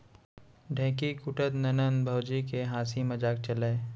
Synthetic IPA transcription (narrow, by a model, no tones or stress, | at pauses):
ɖʱɛ̃ːkikʊʈət̪nɐnənbʱɐwd͡ʒikeɦaːsimɐd͡ʒaːk̚t͡ʃəleː